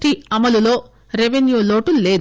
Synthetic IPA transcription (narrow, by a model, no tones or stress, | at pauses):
ʈiɐmɐlulo̞ː | ɾeʋenjuːloːʈule̞ːd̪